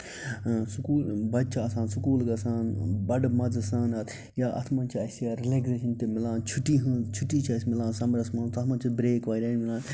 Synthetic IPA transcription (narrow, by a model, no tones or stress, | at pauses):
sukuːlbɐt̪ːt͡ʃʰaɐsãːnsukuːlɡɐsaːnbɐɖmɐd͡zɐsaːnɐt̪ʰ | jaʔɐ̰t̪ʰmɐːnt͡ʃʰiɐsijɐɾeleːɡzeːʃɐnt̪emilãːnt͡ʃʰuʈːiɦɨ̃t͡ʃʰuʈːiːt͡ʃʰɐsʲmilãːnsɐmɾɐsmɐːnt̪ɐt̪ʰmɐnt͡ʃʰubɾeːkʋaːjɾaːnmɪlaːn